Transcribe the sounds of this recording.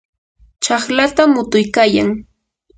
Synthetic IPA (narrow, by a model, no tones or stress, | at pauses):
t͡ʃɑχlat̪amʊt̪ʊjkaːjaŋ